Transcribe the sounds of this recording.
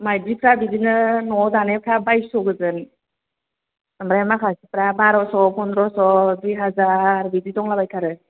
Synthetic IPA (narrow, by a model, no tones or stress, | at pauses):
majdipʰɾabidinɯnɔzanepʰɾabajsɔɡɯzɯn | amɾajamakʰasipɾabaɾɔsɔpʰɔndɾɔsɔbiɦazaɾbididɔŋlabajkʰaɾɯ